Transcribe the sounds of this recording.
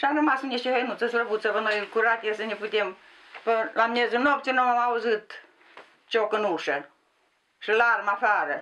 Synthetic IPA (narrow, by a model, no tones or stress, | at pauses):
ʃanɐmasɨnʲeʃʲiɦəjnut̪t͡səsləbut̪t͡səpənojkuɾat̪ʲesənʲeput̪ʲem | pəlamʲezunopt͡sʲinomamauzɨt̪ | t͡ʃokɨnuʂə | ʂɨlarmafaːɾə